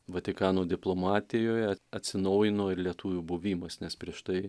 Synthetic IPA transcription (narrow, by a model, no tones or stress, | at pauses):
ʋɐt̪ʲɪkɑːnoːd̪ʲɪplˠoːmɑːt̪ʲɪjoːjɛɐɐt̪ʲsʲɪnɐʊjɪnoːɪɾlʲiɛt̪uːʋʲuːbuʋʲiːmɐsnʲɛspʲɾʲiɛʃt̪ɐɪ